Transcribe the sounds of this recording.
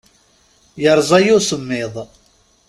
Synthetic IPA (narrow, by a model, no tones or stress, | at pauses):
jəɾˤzˤæjʊsəmːɪðˤ